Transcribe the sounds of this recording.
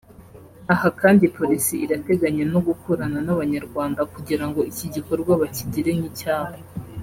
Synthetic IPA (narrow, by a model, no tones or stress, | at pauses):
ahakaːndipo̞ɾisiiɾate̞ɡaɲeno̞ɡukoɾananaβaɲaɾɡwaːndakuɟiɾaŋɡo̞iciɟiko̞ɾɡwaβaciɟiɾe̞ŋicaːho